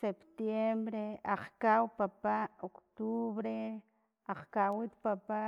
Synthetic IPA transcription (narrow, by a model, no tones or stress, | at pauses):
sept̪jembɾeaχkawpapaokt̪uβɾe | aχkawit̪papa